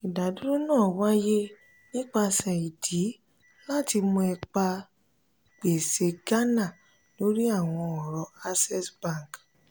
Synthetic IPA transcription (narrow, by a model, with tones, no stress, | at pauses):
i˨da˨du˦ɾu˦nãː˦˨wa˦je˦ | nĩ˦k͡pa˧sɛ˨i˨di˨˦ | la˦˨ti˧mũ˧ɛ˧k͡pa˧ | k͡pe˨se˨˧ɡa˦nã˦˨ | lo˨˦ɾi˦a˦˨w̃ɔ̃˧ɔ˨ɾɔ˨˧˦a˧sɛ˦sbã˦˨ŋk